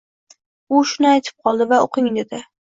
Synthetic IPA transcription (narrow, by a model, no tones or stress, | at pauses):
ʊʃʊnɪajt̪ʰɪ̥p̚qʰɒlˠd̪ɪvaoqɪŋd̪ed̪ɪ